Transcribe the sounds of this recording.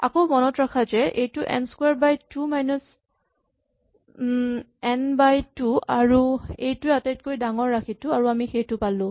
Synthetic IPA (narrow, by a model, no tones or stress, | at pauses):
a̰komɔnɔtɹakʰazɛʔejtʊʔɛ̰nskwaɹbajtumajnɔs | ɛnbajtuaɹuejtʊatajt̚kojdaŋɔɹːakʰitʊaɹuamixejtʊpalʊ̃